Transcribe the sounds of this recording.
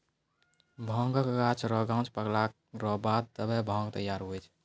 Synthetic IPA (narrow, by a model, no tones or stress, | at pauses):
bʱə̃ŋɡəkɡat͡ʃʰɾɔɡãw̃t͡ʃpəɡlak | ɾɔbad̪̚t̪əbɛbʱɔ̃ŋɡt̪əjaɾɦojt͡ʃʰ